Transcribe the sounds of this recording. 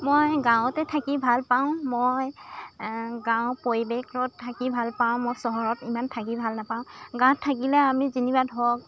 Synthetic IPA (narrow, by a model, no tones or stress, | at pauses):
mojɡãʊtɛtʰakibʱalpaʊ̃moj | ɡãwpoɹibekɹɔtʰːakibʱalpaʊ̃mojsɔɦɔɹɔtimantʰak̬ibʱalnapaʊ̃ɡãtʰakilɛamizinibadʱɔk̚